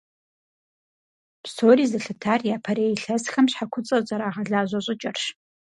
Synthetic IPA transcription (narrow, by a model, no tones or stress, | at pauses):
psʰoːɾiːzɨɬɨtʰaːrjaːpʰɐɾeːjɪɬɐsxɐmɕħakʷʰʊt͡sʼɐzʼɐɾaːʁɐɮaːʑʷɐɕʼɪt͡ʃʼɐrɕ